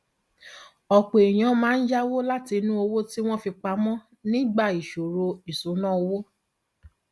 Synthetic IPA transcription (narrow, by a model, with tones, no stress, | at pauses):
ɔ˨k͡po˨e˨j̃ɔ̃˨˦mãː˦n̩˦d͡ʒa˦wo˦la˦ti˧nũ˦o˧wo˦ti˦w̃ɔ̃˦fi˧k͡pa˧mɔ̃˦ | nĩ˦ɡ͡ba˦˨i˨ʃo˨ɾo˧i˨so˨˦nã˦o˧wo˦